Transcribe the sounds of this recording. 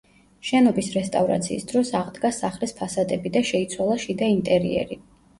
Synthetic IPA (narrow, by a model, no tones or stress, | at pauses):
ʃɛnɔbisɾɛst̪ʼavɾa̰t̪sʰḭːsd̪ɾɔsaʁd̪ɡasaχlispʰasad̪ʼɛbid̪aʃɛit̪sʰwalˠaʃid̪aint̪ʼɛɾḭɛ̰ɾi